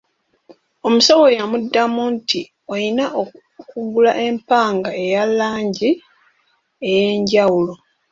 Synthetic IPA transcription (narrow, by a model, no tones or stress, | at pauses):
o̞musawojamudːamunti | o̞jinaʔo | kuɡulaʔe̞mpaːŋɡae̞jalːaːɲɟi | e̞je̞ːɲɟawulo